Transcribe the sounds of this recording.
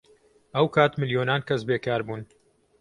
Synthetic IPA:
ɐwkʰaːt̪mɨljoːnaːnkɐsbeːkaːɾbuːn

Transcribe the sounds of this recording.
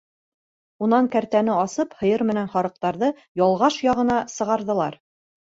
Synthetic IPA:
unɑŋkæɾt̪ænɘɑsɤphɤ̆jɤɾmɘ̆nænχɒɾɤ̆q̚t̪ɑɾðɤ | jɑlˠʁɑʃjɑʁɤ̆nɑsɤ̆ʁɑɾðɤ̆lˠɑɾ

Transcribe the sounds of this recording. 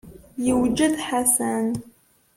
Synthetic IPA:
jɪwd͡ʒɪd̪ħasan

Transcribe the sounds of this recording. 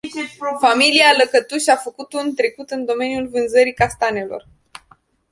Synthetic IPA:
familialəkət̪uʃafəkut̪unt̪ɾe̞kut̪ɨnd̪o̞me̞njulvɨnzəɾikast̪ane̞lo̞̰r

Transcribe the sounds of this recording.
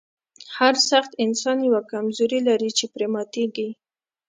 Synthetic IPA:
haɾsaxt̪ɪnsɑnjawakamzoɾilaɾit͡ʃepɾemɑt̪eɡi

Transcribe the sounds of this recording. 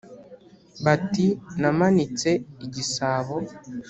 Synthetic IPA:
batinamanit͡seiɟisaːβo

